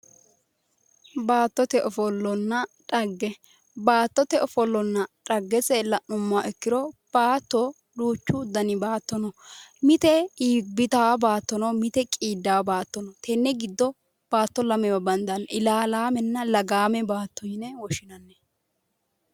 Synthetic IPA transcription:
baːt̪ːɔt̪ɛʔɔfɔlːɔnːɐᶑʼɐɡːɛ | baːt̪ːɔt̪ɛɔfɔlːɔnːɐᶑɐɡːɛsɛlɐʔʊmːʊaʔɛkːɪɾɔb̥aːt̪ːɔ | d̪uːt͡ʃːʊd̪ɐnɪbaːt̪ːɔnɔmɪt̪ɛiːbɪt̪aːbaːt̪ːɔnɔmɪt̪ɛkʼiːd̪ːaːbaːt̪ːɔnɔt̪ɛnːɛɡɪd̪ːɔ | b̥aːt̪ːɔlɐmɛwɐbɐnd̪ɐnɪlaːlaːmɛnːɐlɐɡaːmɛbaːt̪ːɔjɪnɛwɔʃɪnɐnːɛ

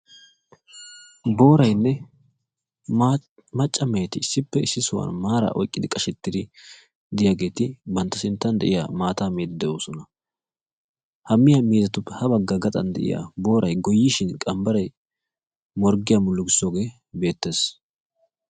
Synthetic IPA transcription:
bo̞ːɾɐjnːɛ | mɐt͡ʃʼːɐmeːt̪ɪɪsːɪpːɛɪsːɪsʊwɐ̰nmaːɾɐ̰ʔɔ̰jkʼːɪd̪ɪkʼɐʃɛt̪ːɪd̪ɪ | d̪ɪjaɡe̞ːt̪ɪbɐnt̪ːɐsɪnt̪ːɐnd̪ɛʔɪja̰ːmaːt̪aːmeːt̪ɪd̪ɛjoːsɔnɐ | hɐmːɪjɐmiːzɐt̪ʊpːɛhɐbɐɡːɐɡɐt̪ʼɐnd̪ɛ̰ʔɪ̰ja̰bo̞ːɾʔɐjɡɔjːɪʃɪnkʼɐmbɐɾɐj | mɔɾɡɪjamʊlːʊɡɪsːoːɡe̞ː | be̞ːt̪ːe̞ːs

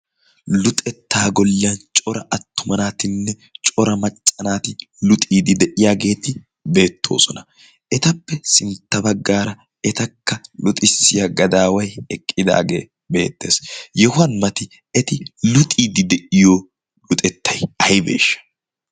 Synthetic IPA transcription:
lʊt̪ʼɛt̪ːaːɡɔlːɐnt͡ʃʼɔɾɐʔɐt̪ːʊmɐnaːt̪ɪnːɛ | t͡ʃʼɔɾɐmɐt͡ʃʼːɐnaːt̪ɪlʊt̪ʼiːd̪ɪd̪ɛʔɪjaːɡe̞ːt̪ɪ | be̞ːt̪ʰːo̞̰ːsɔnɐ | ʔɛt̪ɐpːɛsɪnt̪ːɐbɐɡːaːɾɐ | ɛt̪ɐkːɐlʊt̪ʼɪsːɪjɐɡɐd̪aːwɐjɛkʼːɪd̪a̰ːɡe̞̰ː | be̞̰ːt̪ːe̞̰ːsjɛhʊɐnmɐt̪ɪ | ɛt̪ɪlʊt̪ʼiːd̪ɪd̪ɛʔɪjo | lʊt̪ʼɛt̪ːɐjɐjbe̞̰ːʃːɐ̥

